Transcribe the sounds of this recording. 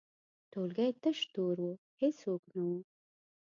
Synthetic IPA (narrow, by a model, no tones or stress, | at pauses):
t̪olɡajt̪əʃt̪oɾwo | hesoknawu